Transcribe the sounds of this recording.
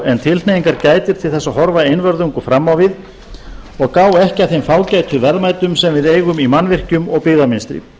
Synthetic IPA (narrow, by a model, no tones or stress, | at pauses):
ɛnt̪ʰɪlt̪nejiŋkaɾcaːjt̪ɪɾ̥t̪ʰɪlθɛsaɦɔɾvaejnvœɾðuŋkʏfɾamːawvɪð | ɔɣkaːwɛhcɪaθejmfaːwcajt̪ʰʏvɛɾmajt̪ʏmsɛmvɪðejɣʏmimanvɪr̥cʏmɔɣpɪɣðamɪnst̪ɾɪ̰